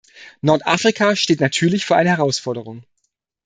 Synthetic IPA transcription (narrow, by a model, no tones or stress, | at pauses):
nɔɐtʔaːfʁ̥ikʰaːʃteːtnatʰyːɐlɪçfyːɐaɪnəhɛʁaʊsfɔɐdəʁ̞ʊŋ